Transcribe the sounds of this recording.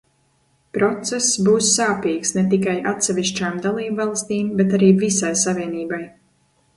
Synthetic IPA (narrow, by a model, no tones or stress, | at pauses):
pɾɔt̪sɛsːbuːsːaːpiːksnɛt̪ikajʔat̪sɛvʲiʃt͡ʃaːmd̪alˠiːbvɑlˠst̪iːmbɛt̪aɾiːvisajsavʲiɛniːbaj